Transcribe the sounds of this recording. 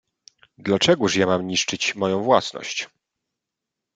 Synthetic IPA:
d̪lat͡ʂɛɡuʂjamamɲiʂt͡ʂɘt͡ɕmɔjɔ̃w̃vwasnɔ̰ɕt͡ɕ

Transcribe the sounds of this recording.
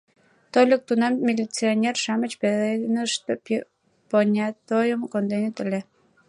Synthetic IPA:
t̪olʲək̚t̪unɑmːʲilʲit͡sionʲerʃɑmət͡ɕpeðenəʃt̪op | ponʲɑt̪ojəmkond̪enet̪əlʲe

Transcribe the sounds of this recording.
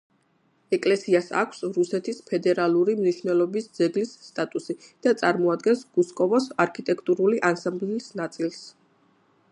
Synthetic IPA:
ɛkʼlɛsiasa̰kʷʰsɾusɛt̪ʰispʰɛd̪ɛɾalˠuɾimniʃvnɛlˠɔbisd̪z̥ɛɡlisːt̪ʼat̪ʼusid̪̥at̪sʼaɾmɔad̪̚ɡɛnsɡuskʼɔvɔsaɾkʰit̪ʼɛkʰt̪ʼuɾuliʔansambliːsnat̪sʼilˠs

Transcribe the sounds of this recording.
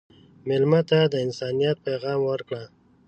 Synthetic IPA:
mɪlmat̪ad̪əɪnsɑnijɑt̪̚pajɣɑmwəɾkɽa

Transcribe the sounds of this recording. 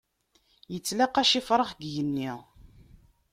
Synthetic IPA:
jət͡sːlaqæʃifɾˤəχɡjənːiʁ

